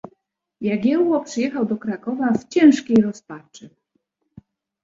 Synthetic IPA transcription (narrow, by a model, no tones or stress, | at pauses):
jaɡʲjɛwwɔpʂɘjɛxawd̪ɔkɾakɔvaft͡ɕɛ̃w̃ʂkʲejɾɔspat͡ʂɘ